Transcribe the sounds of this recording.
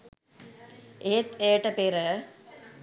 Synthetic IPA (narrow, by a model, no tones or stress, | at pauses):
eːt̪eːʈɐpeːɾə